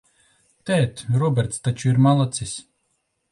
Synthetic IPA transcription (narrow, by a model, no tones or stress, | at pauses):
t̪ɛt̪ɾɔbʲɛɾt̪st̪at͡ʃuiɾmalˠat̪sʲisʲ